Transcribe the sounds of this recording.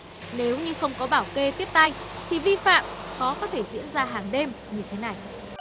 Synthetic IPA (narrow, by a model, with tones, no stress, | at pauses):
ne˨˦wɲɨ˧xə˧wŋ͡mkɔ˨˦ɓaː˧˩wke˧t̪i˦˥əp̚t̪a˧jt̪ʰi˨˩vi˧fa̰ː˧˨mxɔ˨˦kɔ˨˦t̪ʰe˧˩zḭ˧˥ənzaː˧ɦaː˨˩ŋɗe˧m | ɲɨ˧t̪ʰe˨˦na˨˩j